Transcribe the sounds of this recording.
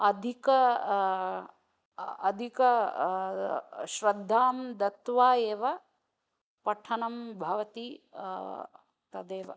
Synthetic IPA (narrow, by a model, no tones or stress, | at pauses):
ɐd̪ʱikɐ | ɐd̪ʱikɐ | ʃɾɐd̪ʱːaːmd̪ɐt̪ʋaːjeːʋɐ | pɐʈʰːɐnɐmbʱɐʋɐt̪i | t̪ɐd̪eːʋɐ̰